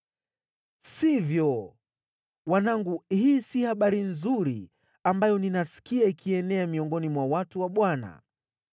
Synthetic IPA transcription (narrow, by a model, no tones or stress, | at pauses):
sivjɔ | wanaŋɡuhiːsihaɓaɾinzuɾi | ambajɔninasi̥kiaikʰiɛnɛamiɔŋɡɔnimwawatuwaɓwana̰